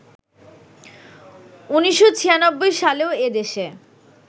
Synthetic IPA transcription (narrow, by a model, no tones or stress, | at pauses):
uniʃːot͡ɕʰijanobːojʃaleoed̪eʃe